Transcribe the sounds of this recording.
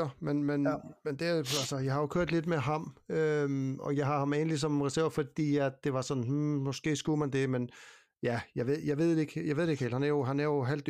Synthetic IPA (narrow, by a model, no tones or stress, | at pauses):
ɐmenmenmend̥e̝ælsəjɑ̈ɪhɑ̈jo̝kʰøɐ̰d̥le̝d̥meɦɑ̈mømɒ̽jɑ̈ɪɦɑ̈hɑ̈meːnlis̬ɒ̽mʁɛsæɐ̰ʊfɒd̥ḭːæd̥e̝ʋɑ̈sɒ̽nn̩h̩mɒ̽sɡ̥e̝̰ːsɡ̥umænd̥e̝men | jæjɑ̈ɪʋe̝ð̰ˠjɑ̈ɪʋe̝ð̞̰ˠd̥e̝ɡ̥jɑ̈ʋ̰̥ˠeɡ̥hḛlhænæɐjo̝ɦænæɐjo̝ɦæl̰d̥